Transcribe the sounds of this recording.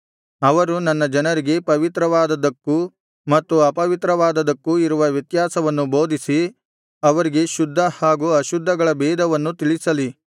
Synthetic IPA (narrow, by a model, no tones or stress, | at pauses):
ɐʋɐɾunɐnːɐd͡ʒɐnɐɾiɡe̞pɐʋit̪ɾɐʋaːd̪ɐd̪ɐkːu | mɐt̪ːuɐpɐʋit̪ɾɐʋaːd̪ɐd̪ɐkːuiɾuʋɐʋjɐt̪jaːsɐʋɐnːuboːd̪ʱisi | ɐʋɐɾiɡe̞ʃud̪ʱːɐhaːɡuɐʃud̪ʱːɐɡɐɭɐbɛːd̪ʱɐʋɐnːut̪iɭisɐli